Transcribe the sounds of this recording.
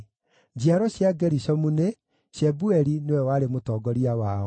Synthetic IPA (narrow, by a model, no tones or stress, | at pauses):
d͡ʑiaɾɔɕjaɡɛɾiɕɔmune | ɕɛbuɛɾinewɛwaɾemotɔːɡɔɾiawaɔ